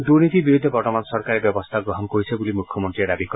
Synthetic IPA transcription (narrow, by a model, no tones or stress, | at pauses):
d̪uɾnit̪ibiɾud̪ʱːebɔɾʈɔmansɔɾkaɾebjɔbɔst̪ʰaɡɾɔɦɔnkoɾisʰebulimukʰjɔmont̪ɾied̪abʱikɔ